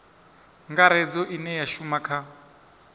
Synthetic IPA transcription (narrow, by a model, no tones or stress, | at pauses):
ŋɡaɾɛd͡zɔʔinɛjaʃumakʰa